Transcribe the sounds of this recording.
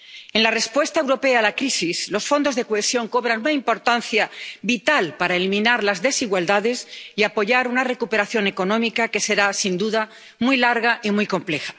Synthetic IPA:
e̞nlare̞spwe̞st̪ae̞wɾo̞pe̞aːlakɾisislo̞sfo̞nd̪o̞zðe̞koesjo̞ŋko̞β̞ɾanunaimpo̞ɾt̪an̟θjabit̪alpaɾaelimĩnaɾlazðe̞siɣwald̪aðe̞siapo̞ʝaɾunare̞kupe̞ɾaθjo̞ne̞ko̞nõmikake̞se̞ɾasind̪uða | mujlaɾɣaʔimujko̞mple̞xḁ

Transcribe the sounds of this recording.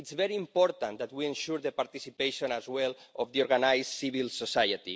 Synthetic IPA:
itsvɛɾĩːmpɔɾt̪ãnd̪at̪wiẽnʃuɾðəpaɾt̪isipeʃõnazwɛlɔfðiɔɾɣanajzsiβilsosajat̪ḭ

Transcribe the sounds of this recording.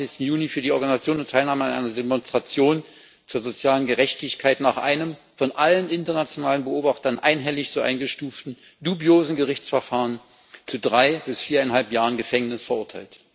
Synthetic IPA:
ɪçstn̩juːnifyːɐdiːʔɔɐɡanizat͡sjoːnʊntʰːaɪlnaːməanʔa̰ɪnɐdemɔnstʁ̥at͡sjoːn | t͡suːɐzot͡sjaːlənɡəʁɛçtɪçkʰaɪtnaːχʔa̰ɪnəm | fɔnʔalənʔɪntɐnat͡sjonaːlənbəʔoːbaχtɐnʔa̰ɪnɦɛlɪçzoːʔa̰ɪnɡəʃtuːftn̩ | d̥ubjoːzn̩ɡəʁɪçt͡sfɛɐfaːʁən | t͡sudʁaɪb̥ɪsfiːɐaɪnɦalpjaːʁənɡəfɛŋnɪsfɛɐʔʊɐtʰaɪlt

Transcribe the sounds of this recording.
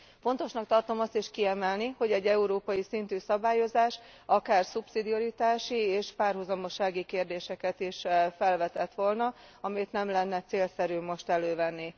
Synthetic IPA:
fo̞nt̪o̞ʃnɒk̚t̪ɒrt̪o̞mɒst̪iʃkiɛmɛlniho̞ɟɛɟːɛuɾoːpɒjisint̪yːsɒbaːjo̞zaːʃ | ɒkaːrsupsid̪io̞ɾit̪aːʃieːʃpaːrɦuzɒmo̞ʃːaːɡikeːrd̪eːʃɛkɛt̪iʃfɛlvɛt̪ɛt̪ʋo̞lnɒɒmijt̪nɛmlɛnːɛt̪seːlsɛɾyːmːo̞ʃt̪ɛløːvɛnːi

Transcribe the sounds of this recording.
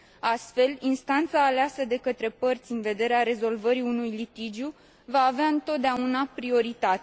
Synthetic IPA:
ast̪fe̞linst̪ant̪saːleasəd̪e̞kət̪ɾe̞pərt̪sʲɨnve̞d̪e̞ɾeaɾe̞zo̞lvəɾiunujlit̪id͡ʒju | vaːveaɨnt̪o̞t̪̚d̪eaunapɾio̞ɾit̪at̪e

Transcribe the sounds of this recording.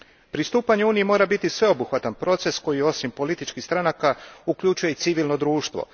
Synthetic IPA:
pɾist̪uːpaɲeuːnijemo̞ːɾabit̪isʋe̞o̞buxʋat̪anpɾo̞t̪se̞sko̞jio̞simpo̞lit̪it͡ʃkixst̪ɾanakauklʎut͡ʃuje̞it̪siʋilno̞d̪ɾuːʃt̪ʋo̰

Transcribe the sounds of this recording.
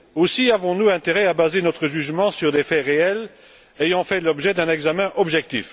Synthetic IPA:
osiavɔ̃nuɛ̃t̪eʁɛabazenɔt̪χəʒyʒmɑ̃syʁd̪efɛʁeɛl | ejɑ̃fɛlɔbʒɛd̪ɛ̃nɛɡzamɛ̃ʔɔbʒɛk̚t̪ḭf

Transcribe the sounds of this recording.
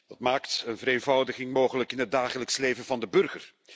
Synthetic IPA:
dɑtmaːktənvəɾeːnvʌwdəɣɪŋmoːχələkɪnɦət̚daːχələksleːvənvɑndəbɵrɣər

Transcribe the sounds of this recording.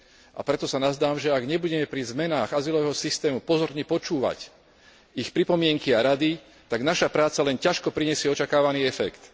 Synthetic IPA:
ʔa̰pɾɛt̪ɔsanazd̪aːmʒɛaɡɲɛbuɟɛmɛpɾizmɛnaːɣazilɔʋɛːɦɔsist̪ɛːmupɔzɔɾɲɛpɔt͡ʃuːʋa̰c | ixpɾipɔmɪɛŋkiaɾad̪i | t̪aɡnaʃapɾaːt͡salɛncaʃkɔpɾiɲɛsɪɛɔt͡ʃakaːʋaniːɛfɛkt̪

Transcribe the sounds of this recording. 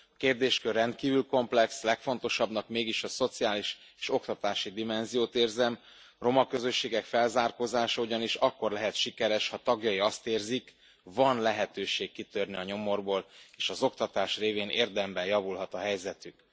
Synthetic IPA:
ɒkeːrd̪eːʃkørːɛnt̪̚kiːvylko̞mplɛkslɛkfo̞n̪t̪o̞ʃɒbnɒkmeːɡiʃɒso̞t̪sijaːliʃ | e̥ːʃo̞kt̪ɒt̪aːʃid̪imɛnzijoːt̪eːrzɛm | ro̞mɒkø̞zø̞ʃːeːɡɛkfɛlzaːrkoːzaːʃɒuɟɒniʃɒkːo̞rlɛɦɛt̪ʃikɛɾɛʃhɒt̪ɒɡjɒiɒst̪eːrzik | vɒnlɛɦɛt̪øːʃeːkːit̪ørniɒɲo̞mo̞rboːleːʃɒzo̞kt̪ɒt̪aːʃreːveːnḛːrd̪ɛmbɛjɒvulɦɒt̪ɒɦɛjzɛt̪yk

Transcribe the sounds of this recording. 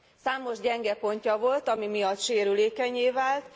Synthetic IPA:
saːmo̞ʒɟɛŋɡɛpo̞ɲcɒvo̞lt̪ɒmimijɒt̪ʃeːɾyleːkɛɲeːvaːlt̪

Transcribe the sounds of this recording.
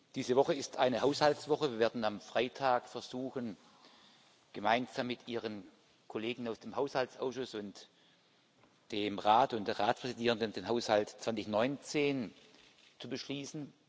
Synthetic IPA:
d̥iːzəvɔχəɪstʔaɪnəhaʊshalsv̥ɔχəviːɐveːɐdn̩amfʁ̥aɪtʰaːkfɛɐzuːxən | ɡ̥əmaɪnzaːmːɪtʔiːʁən | kʰoleːɡŋ̩aʊsd̥eːmhaʊshalt͡sʔa̰ʊsʃʊsʊnt | d̥eːmʁaːtʊntd̥eːɐʁaːt͡spʁ̥ɛzidiːʁəndənnd̥eːnɦaʊshaltt͡sv̥ant͡sɪçnɔʏnt͡seːn | t͡subəʃliːsn̩

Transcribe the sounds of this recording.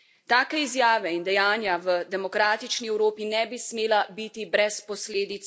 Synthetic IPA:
t̪aːkɛizjaːʋɛind̪ɛjaːnjaʋəd̪ɛmɔkɾaːt̪it͡ʃniɛwɾoːpinɛbismeːlabit̪ibɾɛspɔsleːd̪it̪s

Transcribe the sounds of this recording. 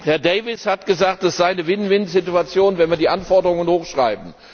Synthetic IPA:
hɛɐdɛɪvɪshatɡ̥əzaːk̚td̥asz̥aɪnəvɪnvɪntz̥ɪtuat͡sjoːnvɛnviɐdiːʔanfɔɐdəʁʊŋənhoːxʃʁ̥a̰ɪbm̩

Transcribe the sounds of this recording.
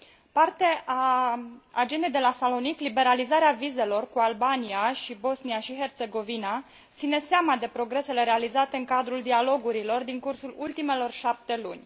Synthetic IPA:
part̪eʔa | ad͡ʒe̞nd̪ejd̪e̞lasalo̞niklibe̞ɾalizaɾeavize̞lo̞rkualbaniaʃibo̞sniaʃiɦe̞rt̪se̞ɡo̞vina | t̪sine̞seamad̪e̞pɾo̞ɡɾe̞se̞le̞ɾe̞alizat̪e̞ɨŋkad̪ɾuld̪ialo̞ɡuɾilo̞rd̪iŋkursulult̪ime̞lo̞rʃap̚t̪e̞lṵnʲ

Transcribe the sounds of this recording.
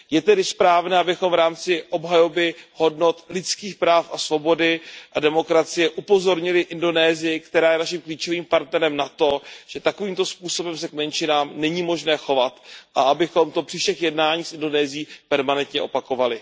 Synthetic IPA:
jɛt̪ɛdɪspɾaːvnɛːabɪxomvɾaːmt͡sɪʔo̞bɦajo̞bɪho̞dno̞t̪lɪt͡skiːxpɾaːfʔasvo̞bo̞dɪʔadɛmo̞kɾat͡sɪjɛʔupo̞zo̞ɾɲɪlɪʔɪndo̞nɛːzɪjɪkt̪ɛɾaːjɛnaʃɪmkliːt͡ʃo̞viːmpaɾt̪nɛɾɛmnat̪o̞ʒ̥ɛt̪ako̞viːmt̪o̞spuːso̞bɛmsɛkmɛnʃɪnaːmnɛɲiːmo̞ʒnɛːxo̞vat̪ʔaabɪxo̞mt̪o̞pr̥ifʃɛxjɛdnaːɲiːsʔɪndo̞nɛːzɪjiːpɛɾmanɛnt̪ɲɛʔo̞̰pako̞valɪ

